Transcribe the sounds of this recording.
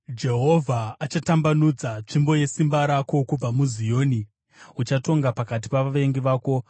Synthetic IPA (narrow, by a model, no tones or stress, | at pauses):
d͡ʒe̞ɦo̞vʱaːt͡ʃatambanud͡zat͡ʂimbo̞je̞simbaɾako̞kub͡vamuzijo̞ːni | ut͡ʃato̞ŋɡapakat̬i̥paʋaʋe̞ŋɡiʋaːko̞